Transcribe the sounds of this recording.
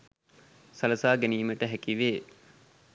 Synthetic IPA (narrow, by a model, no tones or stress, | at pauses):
sɐləsaːɡeniːməʈəɦækiʋeː